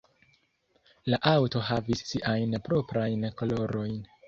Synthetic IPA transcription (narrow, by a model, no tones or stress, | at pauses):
laʔawto̞ɦavisːiʔajnpɾo̞pɾajnkolo̞ɾo̞jn